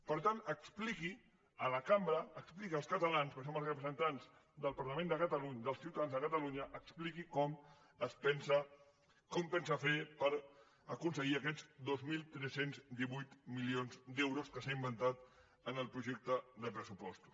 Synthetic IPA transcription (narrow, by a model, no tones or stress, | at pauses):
pəɾt̪anəkspliki | ələkambɾəəksplikəlˠskət̪əlanspəns̬oməlˠsrəpɾəzənt̪anz | d̪əlˠpəɾləmẽnd̪əkət̪əluɲd̪əlˠsiwt̪aðanzðəkət̪əluɲəʔəksplikikɔm | əspɛnsə | kɔmpɛnsafepəɾ | əkunsəɣiəkɛzd̪ozmilˠt̪ɾɛsenzd̪iβujt̪milionzd̪ɛwɾuskəsaimbənt̪at̪ | ənəlˠpɾuʒɛk̚t̪əd̪əpɾəsupɔst̪u̥s